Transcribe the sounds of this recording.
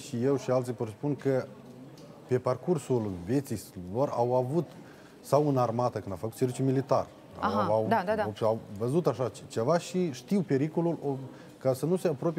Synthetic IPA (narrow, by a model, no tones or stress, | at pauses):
ʃije̞wʃialt̪sijpot̪spunkə | pe̞parkursulve̞t̪silo̞rawavut̪ | sawɨnarmat̪əkɨnd̪awfəkut̪sevit͡ʃumilit̪a̰r̰ | aaad̪ad̪ad̪aawvəzut̪aʃat͡ʃe̞vaʃiʃt̪iwpe̞ɾiko̞lulo | kasənuse̞apɾo̞p